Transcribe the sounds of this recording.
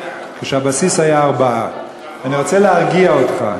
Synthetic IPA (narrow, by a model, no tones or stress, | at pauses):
keʃehabasishajaːʁbaʔa | aniʁo̞t͡seleaʁɡiaot̪χa̰